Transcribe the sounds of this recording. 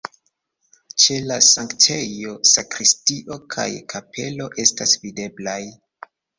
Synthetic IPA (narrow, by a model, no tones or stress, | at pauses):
t͡ʃe̞lasaŋktʰe̞jo̞sakɾistiʔo̞kʰa̰jkʰapʰe̞lo̞ʔe̞stasvide̞blaj